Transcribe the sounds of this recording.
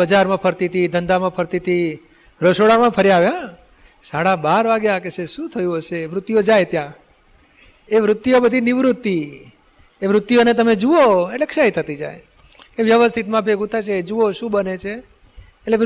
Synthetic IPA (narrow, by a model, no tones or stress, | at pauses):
əd͡ʒaɾmãpʰəɾt̪it̪ʰid̪ʱənd̪amãpʰəɾt̪it̪ʰi | ɾəʃoɽamãpʰəɾjaʋjã | saɽabaɾʋaɡjakeseʃũt̪ʰəjũɦoʃeʋɾʊt̪ːjod͡ʒajt̪jã | eʋɾʊt̪ːjobəd̪ʱiniʋɾut̪ːi | eʋɾʊt̪ːjonet̪əmed͡ʒuoeʈlekʃait̪ʰət̪id͡ʒa̰j | keʋjəʋəst̪ʰit̪mãbʱeɡũt̪ʰat͡ʃʰed͡ʒuoʃũbənet͡ʃʰeː | ʈle